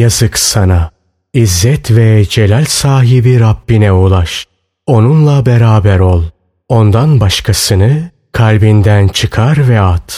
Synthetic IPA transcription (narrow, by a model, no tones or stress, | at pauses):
jazɯksana | izːɛt̪ʰvɛd͡ʒe̞lʲælʲsaːɦibiɾabːinɛulˠaʃ | o̞nunlˠabeɾaːbæɾo̞lˠ | o̞nd̪anbaʃkʰasɯnɯ | kʰalʲbind̪ænt͡ʃʰɯkʰaɾvɛat̪